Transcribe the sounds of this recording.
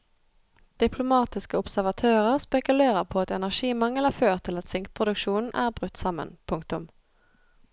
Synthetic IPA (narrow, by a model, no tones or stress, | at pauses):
d̪̥ɪpʰlʊmɑːt̪ɪskəʊpsæʁʋɑt̪ʰøːʁəʁspɛkʉleːʁəʁpʰoːɑt̪ɛnæʁʃiːmɑŋəlæːføːʁt̪ʰɪlɑt̪sɪŋkpʰʁʊd̪ʉkʃuːn̩ʔæ̰ːʁbʁʉt̪sɑmə̰npʰʊŋkt̪ʊm